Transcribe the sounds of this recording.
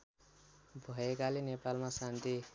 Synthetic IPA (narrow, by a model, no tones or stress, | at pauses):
bʱʌekalenepalmasant̪i